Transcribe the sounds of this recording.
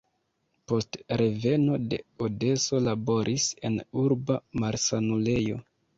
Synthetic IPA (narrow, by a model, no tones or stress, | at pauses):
po̞stɾe̞ve̞no̞de̞̰ode̞so̞labo̞ɾʔise̞̰nuɾbamaɾsanule̞jo̞̰